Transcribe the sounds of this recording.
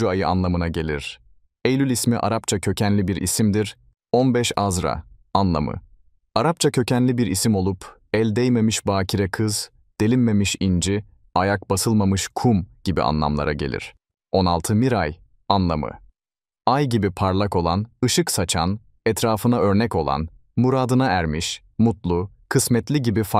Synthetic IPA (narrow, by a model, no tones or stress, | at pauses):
uajɯa̰nlˠamɯnaɟe̞lʲḭɾ̥ | ejlʲylʲismiʔa̰ɾapt͡ʃʰacʰø̞cʰænlʲibiɾʔḭsimd̪iɾ | onbɛʃazɾa̰anlˠa̰mɯ̰ | aɾap̚t͡ʃʰacʰø̞cʰænlʲibiɾisimo̞lˠupʰ | ɛlʲd̪ɛjme̞miʃbaːcʰiɾɛkʰɯz | d̪̥elʲinme̞miʃind͡ʒi | ajak̚basɯlˠmamɯʃkʰumɟ̥ibḭʔa̰nlˠa̰mlˠa̰ɾaɟe̞̰lʲḭɾ̥ | o̞na̰lˠt̪ʰɯmiɾaj | anlˠamɯ̰ | ajɟibipʰaɾlˠako̞lˠanɯʃɯksat͡ʃʰan | ɛt̪ʰɾaːfɯnaø̞ɾnɛco̞lˠa̰n | muɾaːd̪ɯnaæɾmiʃ | mut̪lˠu | kʰɯsmɛt̪lʲiɟibifa